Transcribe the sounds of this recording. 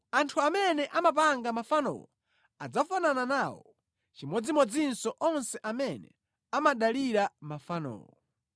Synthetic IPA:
antʰuamɛnɛʔamap̬aŋɡamafanɔ̰wɔ̰ | a̰d͡zafanananaːwɔ̰ | t͡ʃimɔd͡zimɔd͡zinsɔʔɔnsɛʔamɛnɛ̰ | amaɗaliɾamafanɔ̰ːwɔ̰

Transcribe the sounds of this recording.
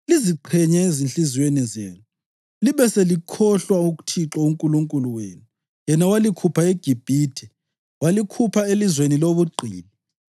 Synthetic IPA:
liziǃʰɛɲɛezinɬiziwenɛzḛːnu | liβɛselikʰɔɬwauɣu̥tʰiǁɔuŋkʼuluŋkʼuluwḛːnu | jɛnawalikʰupʰaeɡ̥ʱib̥ʱiːtʰɛ | walikʰupʰaelizweniloβuǃʱḭːlɛ

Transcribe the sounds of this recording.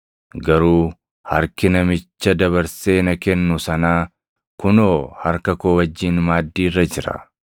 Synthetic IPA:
ɡɐɾuː | hɐ̰ɾkɪnɐmɪt͡ʃːɐd̪ɐβɐɾse̞ːnɐkɛnːʊsɐnaː | kʊnoːhɐɾkɐkoːwɐd͡ʒːiːnmaːd̪ːiːrːɐd͡ʒɪɾɐ̰

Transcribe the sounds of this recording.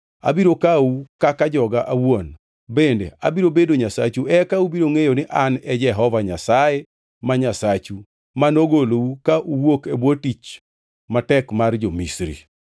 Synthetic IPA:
a̰biɾokaukakad͡ʒɔɡaʔawon | bendḛa̰biɾobedoɲasat͡ʃuɛkaubiɾoŋejonɪʔanɛd͡ʒɛɦɔvaɲasaje | maɲasat͡ʃu | manoɡoloukaʔuwokebwotit͡ʃ | matɛkmard͡ʒomisɾḭ

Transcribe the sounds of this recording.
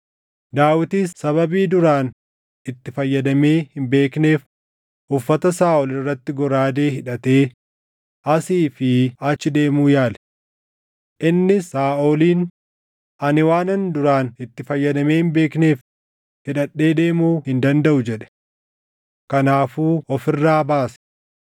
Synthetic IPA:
d̪aːwɪt̪iːsːɐβɐbiːd̪ʊɾaːn | ɪt̪ːɪfɐjːɐd̪ɐme̞ːhɪmbe̞ːkne̞ːf | ʔʊfːɐt̪ɐsaːʔɔlɪrːɐt̪ːɪɡɔɾaːd̪e̞ːhɪᶑɐt̪eː | ʔɐsiːfɪɐt͡ʃːɪd̪e̞ːmuːjaːlɛ̥ | ʔɪnːɪsaːʔɔːliːn | ʔɐnɪwaːnɐnd̪ʊɾaːnɪt̪ːɪfɐjːɐd̪ɐme̞ːhɪmbe̞ːkne̞ːf | hɪᶑɐɗːe̞ːd̪e̞ːmuːhɪnd̪ɐnd̪ɐʔʊd͡ʒɛᶑɛ̥ | kɐnaːfuːɔfɪrːaːbaːsɐ̥

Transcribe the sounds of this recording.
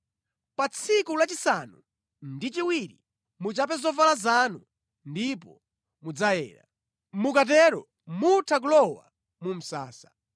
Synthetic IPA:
pat͡sʰikulat͡ʃisanu | ndit͡ʃiwiɾi | mut͡ʃap̬ɛzɔvalazanu | ndipɔ̰ | mud͡zajɛ̰ːɾa̰ | mukat̬ɛɾɔ | mutʰak̬ulɔwa̰ | mum̩sa̰ːsḁ

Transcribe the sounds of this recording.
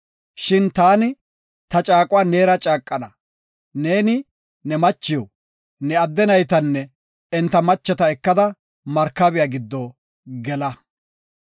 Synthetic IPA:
ʃɪnt̪aːnɪ | t̪ɐt͡ʃʼaːkʼʊwaːne̞ːɾɐt͡ʃʼaːkʼːɐnɐ | ne̞ːnɪ | nɛmɐt͡ʃːɪjo | nɛɐd̪ːɛnɐjt̪ɐnːɛ | ɛnt̪ːɐmɐt͡ʃːɛt̪ɐɛkːɐd̪ɐ | mɐɾkːɐbɪjaɡɪd̪ːo | ɡɛlɐ

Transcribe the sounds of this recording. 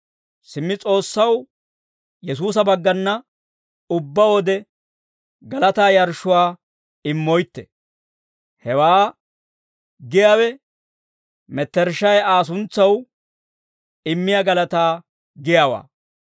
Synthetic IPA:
sɪmːɪt͡sʼo̞ːsːɐw | jɛs̬uːs̬ɐbɐɡːɐnːɐ | ʊbːɐwɔd̪ɛ | ɡɐlɐt̪aːjɐɾʃʊwaː | ɪmːɔjt̪ːɛ̥ | hɛwaː | ɡɪjaːwɛ | mɛt̪ːɛɾʃɐjaːs̬ʊnt͡sːɐw | ɪmːɪjaɡɐlɐt̪aː | ɡɪjaːwa̰ː

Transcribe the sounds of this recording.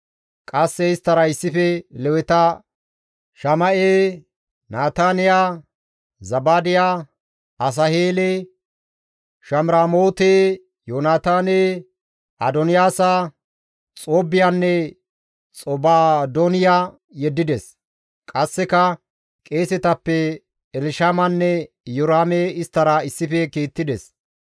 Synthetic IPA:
kʼɐsːɛɪst̪ːɐɾɐɪsːɪfɛlɛwɛt̪ɐ | ʃɐmɐʔeː | naːt̪aːnɪjaː | zɐbaːd̪ɪjaː | ɐs̬ɐheːle | ʃɐmɾaːmoːt̪eː | joːnaːt̪aːneː | ɐd̪ɔnɪjaːsa | t͡sʼoːbɪjanːɛ | t͡sʼɔbaːd̪onɪjaː | jɛd̪ːɪd̪ɛs | kʼɐsːɛkɐ | kʼeːsɛt̪ɐpːɛ | ɛlɪʃaːmɐnːɛ | jɔɾaːmeɪst̪ːɐɾɐɪsːɪfɛkiːt̪ːɪd̪ɛs

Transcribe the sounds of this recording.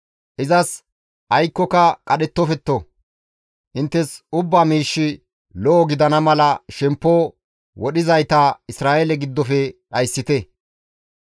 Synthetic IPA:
ʔɪzɐs | ʔɐjkːɔkɐkʼɐɗɛt̪ːɔfɛt̪ːo | ʔɪnt̪ːɛsʊbːaːmiːʃːɪ | lɔʔːɡɪd̪ɐnɐmɐlɐʃɛmpːo | wɔɗɪzɐjt̪ɐɪsɾaːʔɛlɛɡɪd̪ːɔfɛɗɐjsːɪt̪ɛ

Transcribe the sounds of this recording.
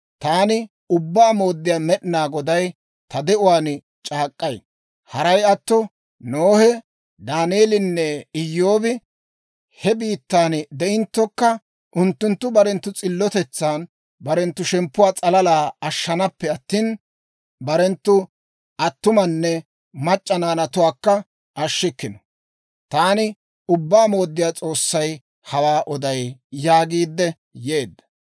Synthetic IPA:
t̪aːnɪ | ʊbːaːmo̞ːd̪ːɪjaːmɛɗɪnaːɡɔd̪ɐj | t̪ɐd̪ɛʊwaːn | t͡ʃʼaːkʼːɐj | hɐɾɐjɐt̪ːɔ | noːhɛ | d̪aːneːlɪnːɛɪjːoːbɪ | hɛbiːt̪ːaːnd̪ɛɪnt̪ːɔkːɐ | ʔʊnt̪ːʊnt̪ːʊbɐɾɛnt̪ːʊt͡sʼɪlːɔt̪ɛt͡sːaːn | bɐɾɛnt̪ːʊʃɛmpːʊwaːt͡sʼɐlɐlaːɐʃːɐnɐpːɛɐt̪ːiːn | bɐɾɛnt̪ːʊ | ɐt̪ːʊmɐnːɛ | mɐt͡ʃʼːɐnaːnɐt̪ʊwaːkːɐ | ʔɐʃːɪkːɪnɔ̥ | t̪aːnɪ | ʊbːaːmo̞ːd̪ːɪjaːt͡sʼo̞ːsːɐj | hɐwaːʔɔd̪ɐjːaːɡiːd̪ːɛ | je̞ːd̪ːɐ̥

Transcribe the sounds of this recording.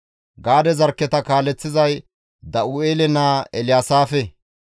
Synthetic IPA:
ɡaːd̪ɛzɐɾkːɛt̪ɐkaːlɛt͡sːɪzɐj | d̪ɐʔueːlɛnaːɛlɪjaːsaːfɛ

